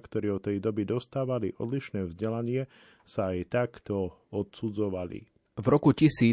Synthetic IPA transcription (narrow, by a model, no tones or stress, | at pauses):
kt̪ɔɾɛːɔt̪ɛjd̪ɔbid̪ɔst̪aːʋaliʔɔ̰d̪liʃnɛːvzɟɛlaɲɪɛ | saːjt̪akt̪ɔɔt̪sud͡zɔʋalḭ | vɾɔkucisiː